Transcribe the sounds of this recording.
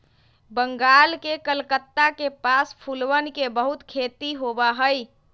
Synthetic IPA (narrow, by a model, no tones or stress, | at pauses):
bəŋɡalkekəlkət̪ːakepaspʰulʋənkebəɦut̪kʰet̪iɦobaɦəj